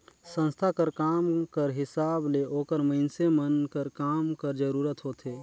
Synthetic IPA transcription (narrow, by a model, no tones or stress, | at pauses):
sə̃nst̪ʰakəɾkaːmkəɾɦɪsaːbleʔoːkəɾməɪnsemənkəɾkaːmkəɾd͡ʒəɾuːɾət̪ɦoːt̪ʰeː